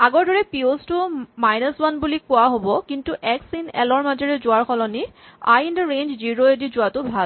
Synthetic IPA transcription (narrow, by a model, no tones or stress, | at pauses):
aɡɔɹdɔɹɛpiostʊmajnəswanbulikʊaɦobɔkintuʔɛksinɛ̰lɔɹmazɔɹɛzʊaɹxɔlɔni | a̰jindaɹend͡ʒziɹoedizʊatʊbʱal